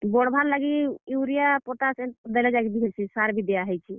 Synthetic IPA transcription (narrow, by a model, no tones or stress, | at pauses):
bɔɽbʱaɾlaɡiiwɾijapɔʈasɛ̃d̪ɛlɛd͡ʒaɡid̪iɦəsʰisaɾbʱid̪ɛjaɦəjt͡ʃʰi